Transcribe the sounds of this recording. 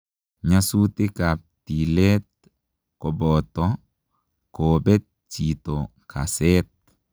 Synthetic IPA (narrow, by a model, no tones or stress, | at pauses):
ɲasut̪ɪkap̚t̪ilɛt̪̚ | kɔbɔt̪ɔ | kobet̪̚ | t͡ʃit̪okʰa̰sɛt̪̚